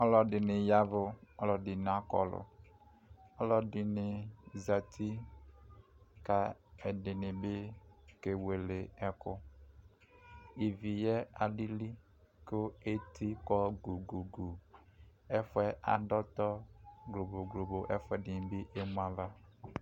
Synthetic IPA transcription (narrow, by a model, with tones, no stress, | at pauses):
ɔ˦lɔ˨dɪ˨nɪ˨ja˦vʊ˨ɔ˦lɔ˨dɪ˨n˨a˦kɔ̰˨lʊ̰˨ | ɔ˦lɔ˨dɪ˨nɪ˨za˨tʰi˦ | ka˨ɛ˨dɪ˨nɪ˨bɪ˦ke˨we˨le˨ɛ˨kʊ˦ | i˨vi˨jɛ˦a˨li˦li˦ | kʊ˦e˦tʰi˦kɔ˦ɡu˨ɡu˨ɡu˨ | ɛ˦fʊ˦ɛ˦a̰˨dɔ˦tɔ˦ɡlo˨bo˨ɡɾo˨bo˨ʔɛ˦fɛ˦˨dɪ˨nɪ˨bɪ˦ʔe˦mũ˦a˦va˦